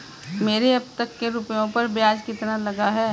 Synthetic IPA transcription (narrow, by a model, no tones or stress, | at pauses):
meːɾeɐb̚t̪ɐkːeɾupjõpɐɾbjaːd͡ʒkɪt̪nalɐɡaɦɛː